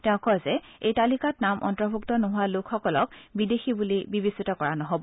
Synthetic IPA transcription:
tɛʊ̃kɔjzɛejtalikatnamʔɔ̰ntɹɔbʱuktɔnoɦʊalʊkʰxɔkɔlɔk̚bidexibulibibisitɔkɔɹanɔɦobɔ

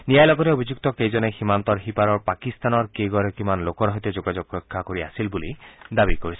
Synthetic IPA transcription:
nijajlɔɡɔteobʱizukt̪ɔkejzɔneximant̪ɔɹɦipaɾɔɹpakist̪anɔɹkeɡɔɹɔkimanlokɔɹɦɔjt̪ed͡ʒoɡad͡ʒoɡ̚ɔkʰːakoɹiasilbulid̪abikoɹisɛ

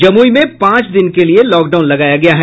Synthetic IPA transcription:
d͡ʒɐmuːimẽpãːt͡ʃd̪ɪnkelielɔːkɖaʊnlɐɡaːjaɡɐjaɦɛ

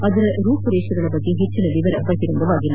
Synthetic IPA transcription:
ɐðɯɾɐɾuːpɯɾeːʂɯɣɐɭɐpːɐt̪ːiɦɪt͡ʃːɯnɐʋɪʋɐɾɐpːɐkːɪɾɯnd̪ɐʋaːɣɪnaː

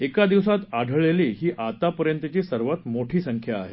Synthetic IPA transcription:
ekad̪iʋsat̪aɽʱəɭeliːɦiːʔat̪apəɾjənt̪ət͡ɕisəɾʋət̪moʈʰiːsəŋkʰjaːɦe

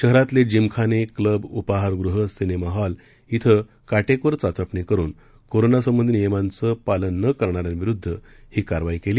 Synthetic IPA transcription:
ɕəɦɾat̪led͡ʑimkʰanekləbupaɦaɾɡɾuɦəsinemaɦal | it̪ʰə | kaʈekoɾt͡sat͡səpɳikəɾṵːn | koɾonasəmːənd̪nijəmãnt͡səpalənːəkəɾɳaɾjãnʋiɾud̪ʱːə | hiːkaɾʋaikeliː

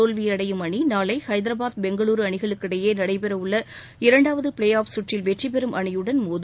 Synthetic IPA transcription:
oːlʋiɐɽɐjɯmɐɳinaːlɐɪhɐɪðɪɾɐbaːðbɛŋɡɐɭuːɾɯɐɳɪɣɐɭɯkːɪɽɐjeːnɐɽɐɪpɛɾɐʋɯɭːɐ | ɪɾɐɳɖaːʋɐðɯpɪɭeːjaːpsʊʈrɪlʋɛʈripɛɾɯmʔɐɳɐjɯɽɐnmuːð

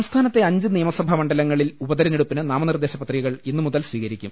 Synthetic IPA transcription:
ɐmst̪ʰaːnɐt̪ːe̞ɐɲd͡ʑɨnijɐmɐsɐbʱɐmɐɳɖɐlɐŋːɐɭilubɐd̪ɐɾɐneɽupːinɨnaːmɐnird̪eːɕɐpːɐt̪riɣɐɣɐɭinːɨmuðɐlsʋiːɣɐɾikʲːum

